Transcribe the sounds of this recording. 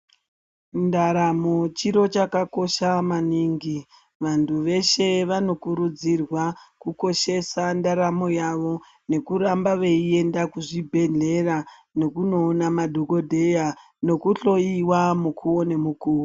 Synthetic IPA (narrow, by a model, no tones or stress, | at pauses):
ndaɾamo̞t͡ʃiɾo̞t͡ʃakako̞ʃamaniːŋɡi | ʋantʰuʋe̞ʃe̞ʋano̞kuɾud͡zirwakuko̞ʃe̞sandaɾamo̞jaʋo̞ | ne̞kuɾambaʋe̞ie̞ndakuʐibʱe̞ɮe̞rano̞kuno̞ːnamadʱoko̞dʱe̞ja | no̞kuɬo̞iwamukʰuwone̞mukuːwo